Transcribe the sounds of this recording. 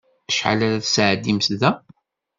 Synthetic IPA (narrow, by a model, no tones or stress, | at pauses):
əʃħa̰læɾaθəsəʕd̪ːimsðæ